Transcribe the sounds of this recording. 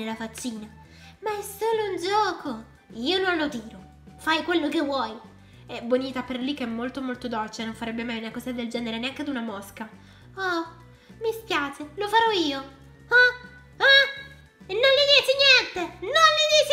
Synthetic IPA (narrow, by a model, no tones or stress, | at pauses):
elafat͡ʃːiːna | maɛsːoːlound͡ʒɔːko | iːononːot̪iːɾo | fajkwelːokevːwɔj | ɛboniːt̪aperlikːɛmːolt̪omolt̪od̪olt͡ʃenoɱfaɾɛbːemajunakɔsiad̪eld͡ʒɛːneɾeneaŋked̪unamɔska | ɔ | miskjaːt͡ʃelofaɾɔiːo | ɔ | a | nːonlid̪iːt͡ʃinjɛnt̪enonlid̪iːt͡ʃ